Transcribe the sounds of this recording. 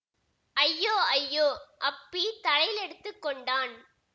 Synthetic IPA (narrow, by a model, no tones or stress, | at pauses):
ʔɐjːoːɐjːoːʔɐpːit̪ɐlɐjlɛɽɯt̪ːɯkːɔɳɖaːn